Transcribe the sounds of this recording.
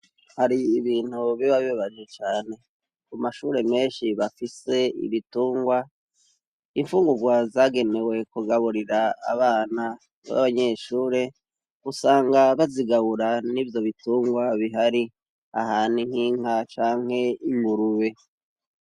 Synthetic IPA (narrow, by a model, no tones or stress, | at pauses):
haɾiːβiːn̥huβiβaβiβaβad͡ʒet͡ʃaːne̞ | kumaʃuːɾe̞me̞ːnʃiβafise̞ḭβituːŋɡwa | iɱfuːŋɡuɡwazaːɡe̞ne̞we̞kuɡaβuɾiɾa̰ːβaːna | βa̰βaɲe̞ʃuːɾe̞ | kusaːŋɡaβaziɡaβuɾanivjo̞βituːŋɡwaβiɦaɾi | a̰haːniŋ̥hiːŋ̥at͡ʃaːŋ̥e̞imɡuɾuβe̞